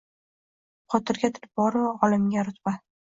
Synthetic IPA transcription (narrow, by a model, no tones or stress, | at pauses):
χʰɒt̪ɪɾɡʲat̪ʰɪ̥ɾɪpbɒɾɒlɪmɡʲaɾʊt̪b̥a